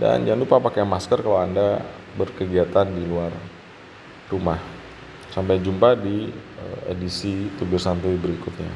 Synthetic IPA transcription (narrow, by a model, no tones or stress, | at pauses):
da̰nd͡ʒanlupapakajamaskərkalawanda | bərkəɡiat̪andiluar | rumah | sampajd͡ʒumpadiəḛdisit̪ubɪrsant̪uibəɾikʊt̪̚ɲa̰